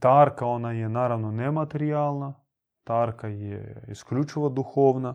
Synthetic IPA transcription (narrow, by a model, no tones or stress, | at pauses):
t̪aɾkaonajɛnaɾaʋnonemat̪eɾialˠna | t̪aɾkajɛ̰isklʲut͡ʃiʋod̪uxoːʋna